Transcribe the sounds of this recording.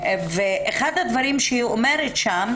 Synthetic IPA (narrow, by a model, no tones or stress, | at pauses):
veʔeχad̪had̪vaɾimʃeiome̞ɾetʃam